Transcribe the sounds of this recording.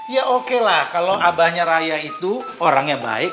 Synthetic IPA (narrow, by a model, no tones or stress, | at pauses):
jaʔokelahkaloʔabahɲaɾajait̪u | oɾaŋjaŋba̰ɪk̚